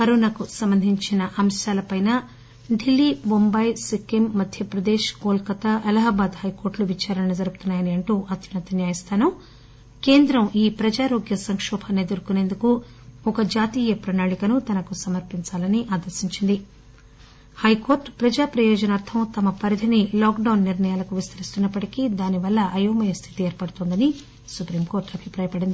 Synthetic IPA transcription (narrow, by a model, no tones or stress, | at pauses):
pɐɾoːnɐkusɐmbɐnd̪ʱiɲt͡ʃinɐʔɐmʃaːlɐpɐjnɐ | ɖilːimombɐjsikimːɐd̪ʱjɐpɾɐd̪eːʃɡoːlkɐt̪ɐʔɐlɐɦɐːbaːd̪hɐjko̞ːɾʈluʋit͡ʃaːɾɐɐnɐd͡ʒɐɾuɡut̪unːaːjɐniɐɳʈuːʔɐt̪jinɐt̪ɐnjaːjɐst̪ʰaːnɐm | ke̞ːnd̪ɾɐmiːpɾɐd͡ʒaːɾoːɡjɐsɐŋkʂɔːbʱɐneːd̪ɐɾukune̞ːnd̪uku | ɔkɐd͡ʒaːt̪iːjɐpɾɐnaːɭikɐnut̪ɐnɐkusɐmɐɾpiɲt͡ʃaːlɐniʔaːd̪ɐɾsiɲt͡ʃind̪i | hɐjko̞ːɾʈpɾɐd͡ʒaːpɾɐjɔːd͡ʒɐnaːɾt̪ʰɐmt̪ɐmɐpɐɾid̪ʰʱɐniloːkɖɐwnːiɾɳɐjaːlɐkuʋist̪ʰɐɾist̪unːɐpːɐʈikid̪aːniʋɐlːɐʔɐjoːmɐjɐst̪ʰi̥t̪ieːɾpɐɽut̪ond̪ɐni | supɾiːmkoːɾʈɐbʱipɾaːjɐpɐɽind̪i